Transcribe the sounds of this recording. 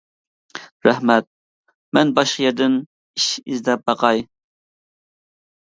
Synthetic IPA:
ɾɛhmɛt̪̚ | mɛnbɑʃqəjɛɾd̪ɪn | iʃizd̪ɛp̚bɑqɑj

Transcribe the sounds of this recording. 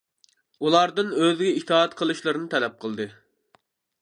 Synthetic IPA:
ulˠɑɾd̪ɨnøzɡʲɛit̪ʰɑːɑt̪qʰəlˠɨʃlˠɨɾɨnɨt̪ʰɛlɛp̚qʰəlˠd̪ɨ

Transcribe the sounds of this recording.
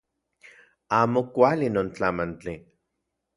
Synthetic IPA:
aːmokʷalinoːnt͡ɬamant͡ɬi

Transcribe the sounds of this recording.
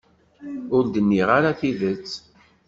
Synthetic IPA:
ʊɾd̪ənːiʁaɾaθiðət͡sː

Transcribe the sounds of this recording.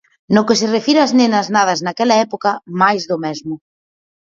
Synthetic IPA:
nʊkɪs̬ɪrefiɾaznẽnɐznað̞ɐznakɛlɐɛpokɐmajzðʊmɛzmʊ

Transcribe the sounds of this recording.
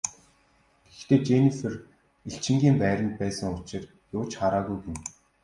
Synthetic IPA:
ɡ̥ext̪eːt͡ɕenifĕr | iɬt͡ɕɪ̆ŋɡʲiːmpæːɾʲə̆mt̪̚pæːsə̆ŋʊt͡ɕɪ̆r | jʊːt͡ɕχaɾaːɣujɡem

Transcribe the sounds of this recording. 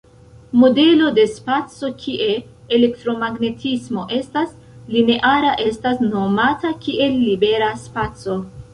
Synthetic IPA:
mo̞de̞lo̞de̞spat͡so̞kʰiʔe̞ː | le̞ktɾo̞maɡne̞tʰismo̞ʔe̞stas | line̞ʔaɾaʔe̞stasno̞matakiʔe̞lːibe̞ɾaspat͡so̞

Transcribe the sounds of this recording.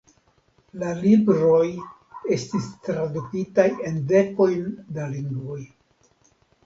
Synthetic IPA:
lalibɾo̞j | e̞stistɾadukitaje̞nde̞ko̞jndaliŋɡvo̞j

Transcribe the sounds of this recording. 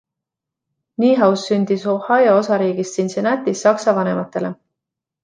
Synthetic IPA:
niːɦɑwsːynʲd̪̥isohɑjɑo̞sɑɾiːɡ̥ist̪insenæt̪isːɑksɑvɑne̞mɑt̪ːˑe̞le̞

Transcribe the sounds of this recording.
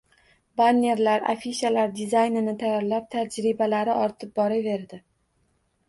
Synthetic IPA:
banʲe̞ɾlaɾa̰fiʃalaɾd̪izajnɪnɪt̪ʰajaɾlap̚t̪ʰad͡ʒɾɪbalaɾɪʔɒɾt̪ʰɪp̚bɒɾave̞ɾd̪ɪ

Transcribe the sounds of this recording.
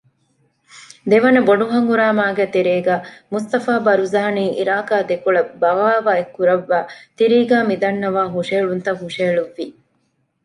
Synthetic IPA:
d̪eʋɐnɐboɖuɦɐŋɡuɾæːmaːɡeːt̪eɾeːɡæːmust̪ɐfaːbɐɾuzaːniːʔḭɾaːkaːd̪ekuɭɐbɐʋaːʋaːekːuɾɐʋːæːt̪iɾiːɡæːmid̪ɐnːɐʋaːɦuʂeːɭunt̪ɐɦuʂeːɭuʋːi

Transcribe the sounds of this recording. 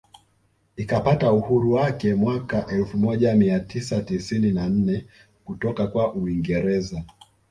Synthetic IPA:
ikapatauhuɾuwakɛmwakaʔɛlfumɔʄamiatʰisatisininan̩nɛ | kutɔkakwaʔuiŋɡɛɾɛza

